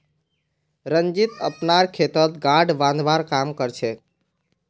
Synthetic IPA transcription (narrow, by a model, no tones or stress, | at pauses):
ɾənd͡ʒit̪əpnaɾkʰet̪ət̪ɡaɖbãnd̪ʋaɾkamkəɾt͡ʃʰɛ